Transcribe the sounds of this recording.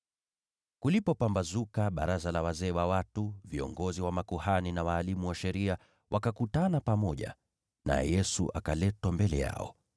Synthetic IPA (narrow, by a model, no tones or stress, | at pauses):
kulipɔpambazukaɓa̰ɾazalawazɛːwawatuviɔ̰ŋɡɔziwamakuhaninawaːlimuwaʃɛɾia | wʔakakutanapamɔʄa̰ | na̰ɛ̰jɛsṵʔa̰kalɛtwambɛlɛja̰ɔ̰